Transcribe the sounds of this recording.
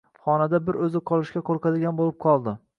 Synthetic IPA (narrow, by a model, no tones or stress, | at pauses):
χɒnad̪abɪɾɵzɪqʰɒlˠɪʃkʲakʰoɾqad̪ɪɡʲanbolɪp̚qʰɒlˠd̪ɪ